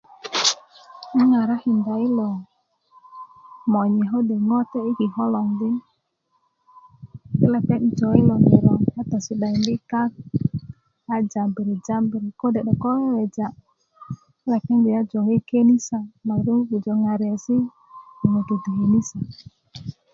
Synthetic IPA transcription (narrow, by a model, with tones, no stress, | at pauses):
a˦ŋa˨ɾa˦hi˨nda˨i˦lɔ˨ | mɔ˨ɲɛ˨ɦo˦de˨ŋɔ˦t̪ɛ˦i˦ki˨ɦɔ˦lɔ˨ŋdi˦n | i˦la˨pɛ˦ni˦d͡ʒɔ˨i˦lɔ˨ŋi˨ɾɔ˨a˦t̪a˨si˨ɗa˨i˨ndi˦ka˦k̚ | a˦d͡ʒa˨bi˨ɾi˨d͡ʒa˦mbi˨ɾi˨ko˦dɛ˨ɗɔ˨kɔ˦lɔ˦ɛ˨d͡ʒa˨ | i˦la˨pɛ˦nbi˨ja˦d͡ʒɔ˨ŋe˦ke˦ni˦sa˨ma˨ɾu˦ŋu˦ɡu˨d͡ʒɔ˨ŋa˨ɾɛ˨si˦ | nɔ˨mɔ˨ɡe˨du˨ɦe˨ni˦sa˨